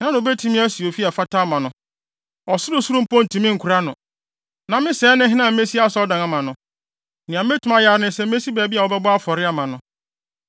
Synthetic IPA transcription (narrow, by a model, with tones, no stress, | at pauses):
ã˦ñ˨o˨be˦tʰĩ˦mɪ̃˦æ˦si˨o˨fi˦ɛ˨fa˦tʰa˦˨mã˨nʊ̃˨ | ɔ˨sʊ˦ɾʊ˦su˦ɾũ˦pɔ̃˦n̩˨tʰĩ˨mɪ̃˦ŋ̩˨kʰu˨ɾa˦nʊ̃˨ | nã˨mɪ̃˦sɛː˨˦nɪ̃˦ɦɪ̃˦nã˨m̩˦me˦si˦a˦sɔ˦dã˨ŋã˨mã˨nʊ̃˨ | nɪ̃˨ã˨˦e˦tʰũ˨mã˦ja˦ɾnɪ̃˦sɛ˦m̩˦e˦si˦bæː˨bi˦a˨wɔ˦bɛ˦bɔ˦a˦fɔ˨ɾɪ˦a˦mã˨nʊ̃˦